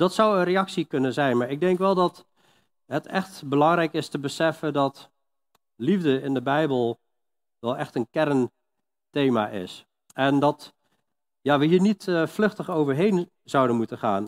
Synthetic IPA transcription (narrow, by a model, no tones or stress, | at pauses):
d̥ɑtsʌwənreɑksikɵnənzɛjnmaːɹɪɡ̚dɛŋkʋɛlˠdɑt | ɦətɛ̰xtbəlɑŋɾɛjkɪstəbəsɛfədɔt | livdəɪndəbɛjbəlˠ | ʋɛlˠɛxtənkɛrən | tejma̰ːʔɪ̰s | ɛndɑt | jaːʋəɦiːɹnitflɵxtəχowvəɹɦejn | zɑwdənmutəχa̰ːn